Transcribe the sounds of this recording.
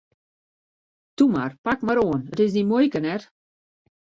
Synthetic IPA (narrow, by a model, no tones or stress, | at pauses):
tuma̰rpakmaɾoənətɪs̬nimojkənɛr